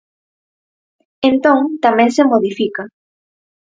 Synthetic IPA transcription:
ent̪õŋt̪amɛ̃ŋsemoðifika

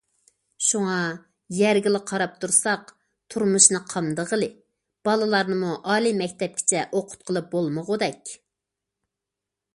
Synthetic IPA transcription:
ʃuŋɑ | jæɾɡʲilˠɪqʰɑɾɑp̚t̪ʰuɾsɑq | t̪ʰuɾmuʃnɨqʰɑmd̪əʁəlˠɨ | b̥ɑlˠɨlˠɑɾnɨmuʔɑːlˠimɛkʲt̪ɛp̚kʲʰɪ̥t͡ʃʰɛʔoqʰʊ̥t̪̚qʰəlˠɨp̚bolˠməʁʊd̪ɛkʲ

